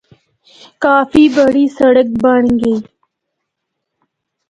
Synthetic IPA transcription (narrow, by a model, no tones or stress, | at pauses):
kaːfiːbəɽiːsɐɽək̚bəɽ̃ɡeː